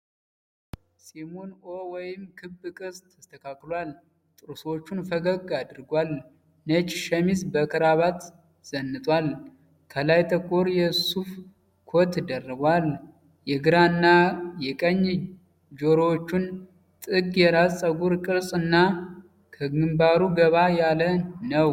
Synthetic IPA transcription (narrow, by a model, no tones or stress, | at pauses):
simonowɔjɪmkʰɨbɨkʼɨst̪ʰəst̪ʰəkʰakːlwal | t̪ʼɨɾɨsot͡ʃːunfəɡəɡad̪ɨɾɡʷal | nət͡ʃʼʃəmizbəkʰɨɾaβat̪ | z̥ənːɨt̪ʼwal | kʰəlajt̪ʰəkʼːoɾjɛsuf | kʰot̪d̪ərːəɡwal | jɛɡɨɾaɨnːajɛkʼəɲː | d͡ʒoɾowot͡ʃːun | t̪ʼɨɡjɛɾazt͡sʼəɡuɾkʼɨɾsʼɨnːa | kʰəɡɨmbaɾuɡəβajalənəw